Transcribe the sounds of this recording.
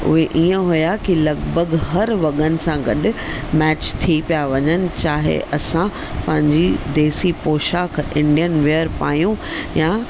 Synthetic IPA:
ʊ̰ɦeʔiːə̃ɦʊjakilɐɡbʱəɡɦɐɾʋɐɠənɪ̆sãɡɐɗ̆mɛːt͡ɕt̪ʰipijaʋɐɲənɪ̆t͡ɕaːɦḛʔɐsã | pɐ̃ɦɪ̃ɲd͡ʑid̪eːsipoːʃaːkʰʔɪ̃ɳɖijənʋejəɾpaːjũja

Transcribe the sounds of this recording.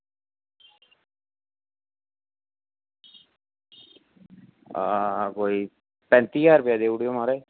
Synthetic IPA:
akoːi | pɛ̃nt̪iaːɾʊpjad̪euɽijomaɾe

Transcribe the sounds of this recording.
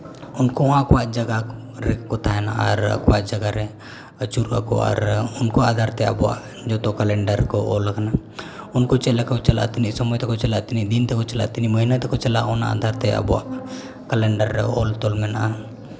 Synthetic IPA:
ʊnkoãkwat͡ʃd͡ʒəɡa | ɾekot̪ʰaɦɛnaaɾ̰kwat͡ʃd͡ʒəɡaɾe | ət͡ʃuɾa̰ko̰ɔ̰ːɾʊnkoaːd̪ʱaːɾt̪eə̰bwa̰ | d͡ʒot̪okɐlẽɳɖəɾkooləkʰna | ʊnkot͡ʃelakot͡ʃɐla̰t̪nisɐmət̪ekot͡ʃɐlat̪nid̪int̪ekot͡ʃɐla̰t̪niməɦinat̪ekot͡ʃɐlaonaa̰ːd̪ʱaːɾt̪eə̰bwa̰ | kɐleɳɖəɾeo̰ːlt̪oːlmena

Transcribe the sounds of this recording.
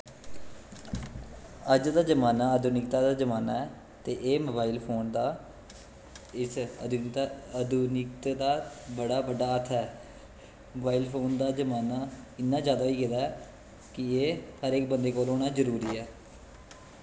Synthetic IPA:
əd͡ʒd̪aːd͡ʒəmaːnaːəd̪ʱʊnɪk̚t̪aːd̪aːd͡ʒəmaːnaːɛː | t̪eːʔeːməbaːiːlpʰoːnd̪aː | ɪsd̪əd̪uːnɪkt̪d̪aːbəɽaːbəɖaːət̪ʰɛː | məbaːiːlpʰoːnd̪aːd͡ʒəmaːnaːɪnːãːd͡ʒaːd̪aːiːkɪd̪aːɛː | kɪeːhəɾeːk̚bənd̪eːkoːloːɽ̃aːzəɾuːɾiːɛː

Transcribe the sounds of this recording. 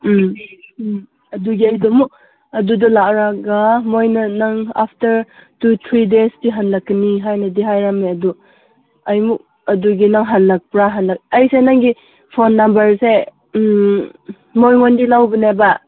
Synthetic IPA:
m | ɐduɡiɐjdɔmuk̚ | ɐdudɔlaɾaɡamojnɐnaŋa̰pʰtɐɾtut̪ʰɾidesdiɦanlakːəniɦajnɐdiɦajɾameɐdu | ɐjmuk̚ | ɐduɡinaŋɦanlak̚pɾaɦanlak̚ɐjsenaŋɡi | pʰonːambɐɾse | mojŋondilawbineba

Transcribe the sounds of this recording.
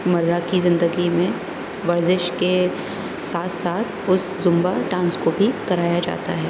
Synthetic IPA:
mɐɾːakizɪ̃nd̪əɡimẽ | ʋɐɾzɪʃke | saːt̪ʰsaːt̪ʰʊs | zʊ̃mbaʈãːnskobʱikɐɾaːjad͡ʒa̰ːt̪a̰ɦɛː

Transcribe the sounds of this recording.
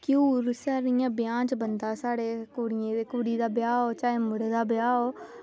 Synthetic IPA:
kuːɾsaːɾɪjãːbɪjãːt͡ʃbənd̪aːsaːɽeːkoːɽɪjẽːd̪eːkuːɽiːd̪aːbjaːɦoːt͡ʃaːeːmʊɽeːd̪aːbɪjaːoː

